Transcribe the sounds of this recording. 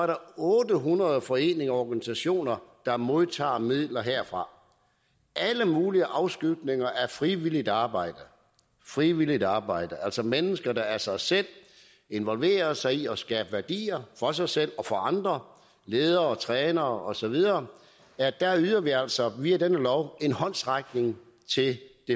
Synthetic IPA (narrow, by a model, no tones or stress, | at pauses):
ɒæɐɾɑ̈ɔːd̥əɦunʁɐð̞̩ˠfɒ̽e̝̰ːne̝ŋɒːɡ̥ænisæɕo̝̰ːnɐd̥ɑ̈mo̝ðˠt͡sʰɑ̰̈ːmið̰ˠlɐɦeɐ̰fʁɑ̈ | ʔæləmuːliəʔɑ̈ʊsɡ̥yɡ̥ne̝ŋɐʔæɐfʁiʋilid̥ɑ̈ːb̥ɑ̈ɪ̰d̥ə | fʁiʋilid̥ɑ̈ːb̥ɑ̈ɪ̰d̥əʔæl̰sɒ̽menəsɡ̥ɐd̥ɑ̈æɐsɑ̈ɪsel̰ | e̝nʋɒ̽lʋe̝̰ːɐsɑ̈ɪiɒ̽sɡ̥ɛ̰ːb̥əʋæɐd̥ḭːɐfɒ̽s̬ɑ̈ɪsel̰ɒ̽fɒ̽ɑ̈nd̥ʁɐ | leːð̞ˠɐt͡sʰʁɛːnɐɒ̽sɒ̽ʋið̞ˠɐː | æɐd̥æɐyðˠɐʋiæl̰sɒ̽ʋiæd̥enəlɒʊe̝nhɒ̽n̰sʁaɡ̥ne̝ŋ | t͡sʰe̝d̥e̝